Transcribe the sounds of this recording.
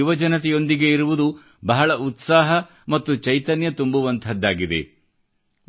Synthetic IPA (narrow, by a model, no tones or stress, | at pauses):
uʋɐd͡ʒɐnɐt̪̬ɛjo̞nd̪iɡe̞iɾuʋud̪u | bɐɦɐɭɐut̪saːɦɐ | mɐt̪ːut͡ʃɐjt̪ɐnjɐt̪umbuʋɐnt̪ʰɐd̪ːaːɡid̪e̞̰